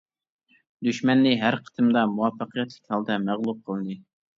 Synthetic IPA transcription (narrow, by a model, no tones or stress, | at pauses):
d̪yʃmɛnːɪɦæɾqʰə̥t̪ʰɨmd̪ɑmuwɑfːəqʰijɛt̪lˠɪkʲhɑlˠd̪ɛmæʁlˠup̚qʰəlˠɨnɨ